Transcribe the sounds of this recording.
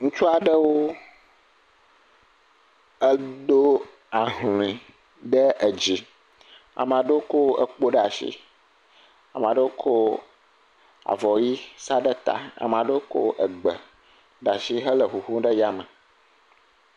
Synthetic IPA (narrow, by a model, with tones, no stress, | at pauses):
ŋũ˦t͡ʃu˦a˨ɖə˦wo˦ | ə˦ɖo˦ | a˨ɦl̃ĩ˨ | ɖə˦ə˨d͡ʑi˨ | a̰˨m̃˨a˨ɖo˦ko˦ə˨k͡po˦ɖa˨ʃḭ˦ | a̰˨m̃˨a˨ɖə˦wo˦kʰo˦ | a̰˨vɔ˨ji˦sa˦ɖə˦t̪a̰˨a̰˨m˨a˨ɖo˦ko̰˦ʔə˨ɡ͡bə˨ | ɖa˨ʃi˦ɦə˦lə˨xu˨xu˦ɖə˦ja˦mə˨